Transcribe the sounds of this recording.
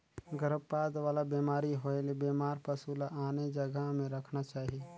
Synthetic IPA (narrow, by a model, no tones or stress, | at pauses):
ɡəɾəbpaːd̪ʋaːlabeːmaːɾiɦoelebeːmaːɾpɐsuːlaʔaːned͡ʒɐɡəɦmẽɾɐkʰnat͡ʃaːɦie